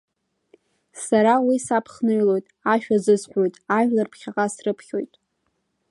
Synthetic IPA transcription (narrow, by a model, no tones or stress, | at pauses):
saɾawisapʰχnɨɥlo̞jtʼaʃᶣazɨzħʷo̞jtʼaʒlarpʰχʲaqʼasrɨpʰχʲo̞jtʼ